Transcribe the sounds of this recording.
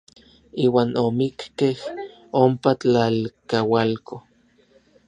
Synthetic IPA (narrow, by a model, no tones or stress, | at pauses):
iːwaːnomikkeh | ompat͡ɬalkawalkʰo